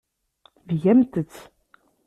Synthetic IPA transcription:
vjæmt̪ət͡sː

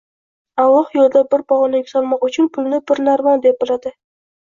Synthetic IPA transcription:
alˠːɒhjolˠd̪abɪɾbɒʁɑnakʲsɒlˠmɒqʊt͡ʃʰʊnpʰʊlnɪbɪɾnaɾmɒnd̪ep̚bɪlad̪ɪ

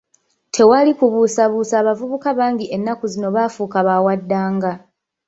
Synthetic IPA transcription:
tʰe̞walikuβuːsaβuːsaːβavuβukaβaːŋɟiʔe̞nːakuzino̞βaːfuːkaβaːwadːaːŋɡa

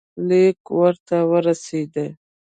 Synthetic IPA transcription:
lekwəɾt̪awəɾased̪ə

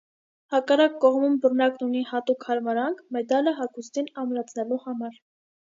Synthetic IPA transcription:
hɑkɑrɑkːɔʁmumbərnɑknunihɑt̪ukhɑɾmɑɾɑŋkʰmɛd̪ɑləɦɑkʰust̪inɑmɾɑt͡sʰnɛluhɑmɑɾ

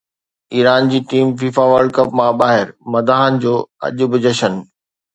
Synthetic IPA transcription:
iːɾaːnd͡ʑiːʈiːmfiːfaʋəɾɖ̚kɐpmãɓaːɦɪɾmɐd̪aːɦənɪ̆d͡ʑoːɐ̰ʄʊ̆bɪd͡ʑəʃən

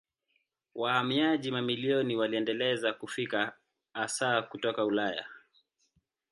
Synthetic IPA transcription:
wʔahamiaʄimamiliɔniwaliɛndɛlɛzakufikaː | saːkutɔkaulaja̰

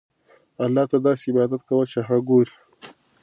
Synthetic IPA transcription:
alːɑːt̪ad̪ɑseɪbɑd̪at̪̚kawət͡ʃeɦaɡoɾi̥

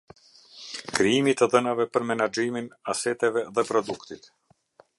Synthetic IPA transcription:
kɾiimit̪ɛðənavɛpəɾmɛnad͡ʒiminasɛt̪ɛvɛðɛpɾɔd̪ukt̪it̪

